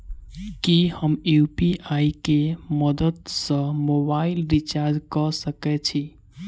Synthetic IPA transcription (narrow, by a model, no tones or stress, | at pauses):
kihəmjupiʔaikeməd̪əd̪sə̃mobaɪlɾit͡ʃaɾd͡ʒkəsəkɛt͡ʃʰi